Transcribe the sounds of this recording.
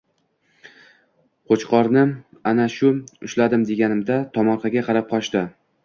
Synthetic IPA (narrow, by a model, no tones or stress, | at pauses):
qʰot͡ʃqɒɾnɪ | anaʃʊʊʃlad̪ɪmd̪e̞ɡʲanɪmd̪at̪ʰɒmɒɾqʰɑɡʲaqʰɑɾap̚qʰɒt͡ʃt̪ɪ